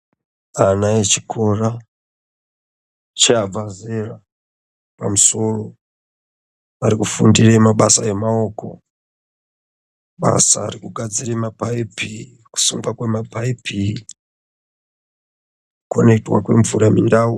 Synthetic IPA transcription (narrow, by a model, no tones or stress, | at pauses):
anaet͡ʃi̥kʰo̞ra | t͡ʃaab͡vazera | pa̰muso̞ro | aɾikufundiremaɓasae̞mao̞ko̞̰ | ɓa̰saːɾikuɡʱad͡ziremapaipʰi | ku̥suŋɡakwemapʰaipʰi | kone̞itwa̰kwe̞ɱvuɾamindaːu